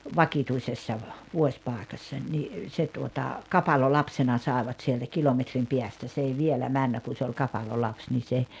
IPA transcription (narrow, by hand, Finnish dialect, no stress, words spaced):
ʋɑkituisesːɑ ʋ ʋuosʲpɑˑekɑsːɑnʲ ni se tuotɑ kɑpɑlolɑpsenɑ sɑˑeʋɑt sieltæ kilometrim piæstæ s ei ʋielæ mænːæ kun̞ se olʲ kɑpɑlolɑps ni se